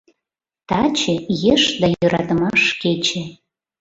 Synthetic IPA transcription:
t̪ɑt͡ɕĕjeʃd̪ɑjøɾʔɑt̪əmɑʃket͡ɕĕ

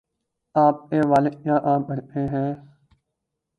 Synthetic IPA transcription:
aːp̚eːʋaːlejãːʔãːbənẽːɦɛ̃ː

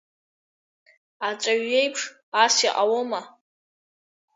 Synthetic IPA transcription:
at͡ʃʷʼaɥe̞jpʰʂ | asiqʼawoma

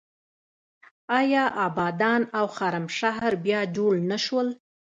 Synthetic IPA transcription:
ɑjɑʔɑbɑd̪ɑnawxɑɾamʃaɦɾbjɑd͡ʒoɽnaʃwəl

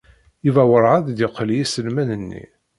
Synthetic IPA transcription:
ivæwəɾˤʕəðd̪iqːljisəlmænənːḭ

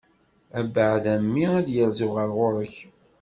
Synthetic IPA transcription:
æbəʕðæmːiæd̪jəɾzʊʁəɾʁʊɾəç

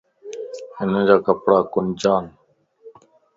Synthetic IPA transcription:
hɪnə̃ːd͡ʒaːkəpɽaːkʊnd͡ʒaːn

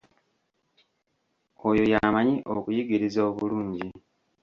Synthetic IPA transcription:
o̞jo̞jamaɲiʔokujiɡiɾizoːβuluːɲɟi

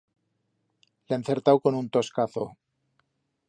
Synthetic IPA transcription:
lenθe̞ɾt̪awko̞nunt̪o̞skaθo

